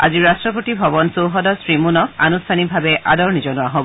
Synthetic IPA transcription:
a̰ziɹastɹɔpotibʱɔbɔnsowɦɔdɔsɹimunɔka̰nustʰanibʱabɛʔa̰dɔɹnizɔnʊaɦɔbɔ

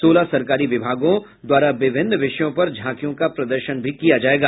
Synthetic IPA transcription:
soːlasɐɾkaːɾiʋɪbʱaːɡõ | d̪waːɾaʋɪbʱɪnːʋɪʃəjõpɐɾd͡ʒʱãːkijõkapɾɐd̪əɾʃənbʱikijad͡ʒaːeːɡaː

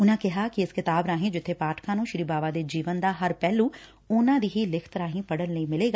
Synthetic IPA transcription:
ʊnãːkɪɦakiɪskɪt̪aːbɾaːɦẽd͡ʒɪt̪ʰːepaːʈkʰãːnũːʃɾiːbaːʋaːd̪eːd͡ʒiːʋənd̪aːɦɐɾpɛːlũː | ʊnãːd̪iːɦilɪkʰt̪ɾaːɦĩpəɽənləimɪleːɡa

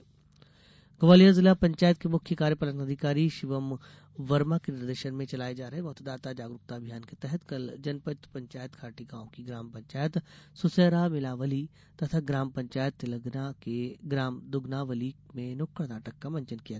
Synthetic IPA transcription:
ɡɐʋaːlijazɪlapɐ̃ɲt͡ʃaːjət̪̚kemʊkʰjəkaːɾjəpɐlənɐd̪ʱɪkaːɾiʃɪʋəm | ʋɐɾmakenɪɾd̪əɾʃənmẽt͡ʃɐlaːed͡ʒaːɾɐɦɛʋɐɦt̪d̪aːt̪ad͡ʒaːɡɾʊk̚t̪aːbʱijaːnket̪ɛɦɛt̪kɐld͡ʒɐnpət͡ʃt̪pɐ̃ɲt͡ʃaːjət̪kʰaːʈiɡãːõkiɡɾaːmpɐ̃ɲt͡ʃaːjət̪sʊseːɾamɪlaːʋəli | t̪ɐt̪ʰaɡɾaːmpɐ̃ɲt͡ʃaːjət̪ːɪləɡnakeɡɾaːmd̪ʊɡnaʋəlimẽnʊkəɽnaːʈəkːamɐ̃ɲt͡ʃənkija

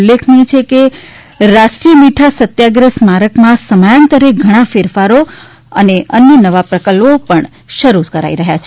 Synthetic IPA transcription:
lːekʰnit͡ʃʰeke | ɾaʃʈɾiəmiʈʰasət̪jaɡɾəsmaɾəkmãsəmajənt̪əɾeɡʱəɽ̃ãfeɾfaɾo | əneənjənəʋapɾəkəlopəɳ | ʃəɾukəɾa̰iɾəɦjat͡ʃʰe

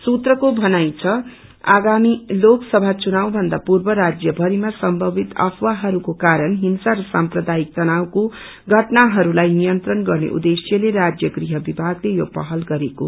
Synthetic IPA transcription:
sut̪rʌkobʱʌnajt͡sʰʌ | a̰ɡamiloksʌbʱat͡sunawbʱʌnd̪apurbʌɾad͡zjʌbʱʌɾimasʌmbʱʌbʱit̪ʌ̰pʰwaɦʌɾukokaɾʌnɦinsaɾʌsamprʌd̪aik̚t̪ʌnawko | ɡʱʌʈnaɦʌɾulajnijʌnt̪rʌnɡʌrnḛʔṵd̪esjʌleɾad͡zjʌɡriɦʌbibʱaɡlejopʌɦʌlɡʌɾeko̰

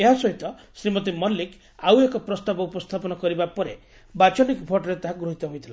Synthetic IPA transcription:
eɦasɔɦit̪ɔ | sɾimɔt̪̬imɔlːik | awekɔpɾɔst̪abɔupɔst̪ʰapɔnɔkɔɾibapɔɾe | bat͡ʃɔnikbʱʰɔʈɔɾet̪aɦaɡɾuɦit̪ɔɦojt̪ʰila

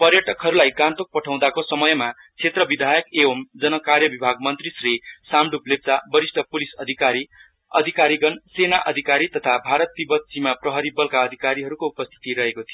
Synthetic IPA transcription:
pʌrjʌʈʌkɦʌɾulajɡant̪ok̚pʌʈʰaw̃d̪akosʌmʌjma | t͡sʰet̪rʌbid̪ʱajʌkeomd͡zʌnʌkarjʌbibʱaɡ̚mʌnt̪risrisamɖuplep̚t͡sabʌɾisʈʰʌpulisʌd̪ʱaɾi | ʌ̰d̪ʱikaɾiɡʌnsenaʔʌ̰d̪ʱikaɾit̪ʌt̪ʰabʱaɾʌt̪ːibʌt̪̚simaprʌɦʌɾibʌlkaʌd̪ʱikaɾiɦʌɾukoupʌst̪ʰi̥t̪iɾʌɦekot̪ʰijo

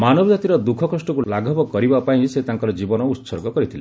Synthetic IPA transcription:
manɔbɔd͡ʒat̪iɾɔd̪ukʰɔkɔsʈɔkulaɡʱɔpɔkɔɾibapaĩset̪aŋkɔɾɔd͡ʒibɔnɔut̪sɔɾɡɔkɔɾit̪ʰile

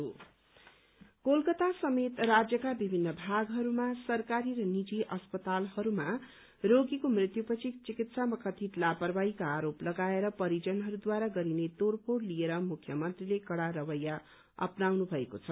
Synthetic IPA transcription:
o | kolkʌt̪asʌmet̪rad͡zjʌkabibʱinːʌbʱaɡɦʌɾumasʌrkaɾiɾʌnid͡ziʔʌspʌt̪alhʌɾuma | roɡikomrit̪jupʌt͡sʰit͡sikit̪samʌkʌt̪ʰit̪lapʌrbaikaːɾoplʌɡaeɾʌpʌɾid͡zʌnɦʌɾud̪waɾaɡʌɾinet̪orpoɽlijeɾʌmukʰːjʌmʌnt̪rilekʌɽaɾʌbʌjːa | ʌ̰pnawnubʱʌekot͡sʰʌ

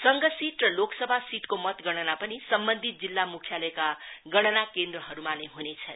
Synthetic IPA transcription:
sʌŋɡʌsiʈrʌloksʌbʱasiʈkomʌt̪ɡʌɽ̃ʌnapʌnisʌmbʌnd̪ʱit̪̚d͡zilːamukʰjalʌekaɡʌɽ̃ʌnakend̪rʌɦʌɾumaneɦunet͡sʰʌn

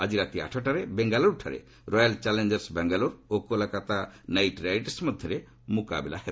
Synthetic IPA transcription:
ad͡ʒiɾat̪ia̰ʈʰɔʈaɾebɛŋɡaloɾʈʰaɾḛ | ɾɔjalt͡ʃalend͡ʒeɾsbɛŋɡalɔɾokolakat̪anajʈɾaiʈsmɔd̪ʱjɔɾe | muka̰bɛla̰hɛ

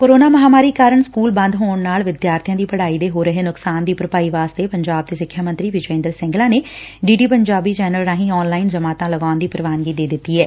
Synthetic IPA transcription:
koːɾoːnaːməɦaːmaːɾiːkaːɾəɳskuːlbə̃nd̪ɦoːɳnaːlʋɪd̪jaːɾt̪ʰijãːd̪iːpəɽaːiːd̪eːɦoːɾəɦeːnʊksaːnd̪iːpɾəpaːiːʋaːst̪eːpəɲd͡ʒaːb̚t̪eːsɪkʰːjaːmə̃nt̪ɾiːʋɪt͡ʃẽːnd̪əɾsɪ̃ŋɡlãːneː | ɖiːɖiːpəɲd͡ʒaːbiːd͡ʒɛːnəlɾãːɦĩːɔːnlaːɪnd͡ʒəmaːt̪ãːləɡaːʊnd̪iːpɾəʋaːnɡiːd̪eːd̪ɪt̪ːiːɦɛː

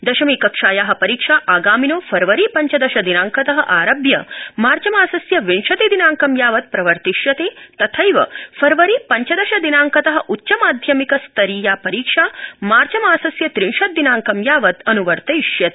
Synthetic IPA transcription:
d̪ɐʃɐmiːkɐkʂaːjaːɦɐ̆pɐɾiːkʂaːʔaːɡaːminoːfʰɐɾʋɐɾiːpɐɲt͡ʃɐd̪ɐʃɐd̪inaːŋkɐt̪ɐɦɐ̰ʔaːɾɐbjɐmaːɾt͡ʃɐmaːsɐsjɐʋinʂɐt̪id̪inaːŋkɐmjaːʋɐt̪̚pɾɐʋɐɾt̪iʃjɐt̪eːt̪ɐt̪ʰɐjʋɐ̰fɐɾʋɐɾipɐɲt͡ʃɐd̪ɐʃɐd̪inaːŋkɐt̪ɐɦɐ̆ʔutːt͡ʃɐmaːd̪ʱjɐmikɐst̪ɐɾiːjaːpɐɾiːkʂaːmaːɾt͡ʃɐmaːsɐsjɐt̪ɾiɳʃɐt̪̚d̪ːinaːŋkɐmjaːʋɐt̪ɐnuʋɐɾt̪ɐiʂjɐt̪ː

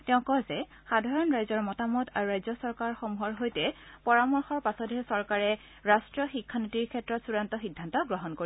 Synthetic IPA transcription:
tɛʊ̃kɔzɛ | xadʱaɹɔnɹajzɔɹmɔtamɔtaɹuɹajzɔsɔɹkaɹxɔmuɦɔɹɦojtɛpɔɹamɔɹxɔɹpasɔtɛsɔɹkaɹɛ | ɹastɹɔxikʰːanotiɹkʰɛtɹɔtsuɹantɔxidʱːantɔɡɹɔɦɔnkoɹi

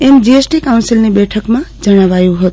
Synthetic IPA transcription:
emd͡ʒiesʈikawnsilnebeʈʰəkmad͡zəñaβajuɦot̪̚

